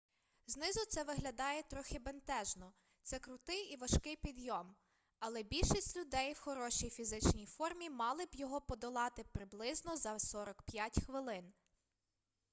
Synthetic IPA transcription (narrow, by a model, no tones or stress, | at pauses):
znɪzʊt̪sɛʋɪɦlʲɐd̪ɑjɛt̪ɾɔxʲɪbent̪ɛʒnɔ | t̪sɛkɾʊt̪ɪjiʋɐʃkɪjpʲid̪jɔm | ɐlˠɛbʲilʲʃisʲtʲlʲʊd̪ɛjwxɔɾɔʃijfʲizɪt͡ʃnʲijfɔrmʲimɑlˠɪbjɔɦɔpɔd̪ɔlˠɑt̪ɪpɾɪblˠɪznɔzɐsɔɾɔkpjatʲxʋɪlˠɪn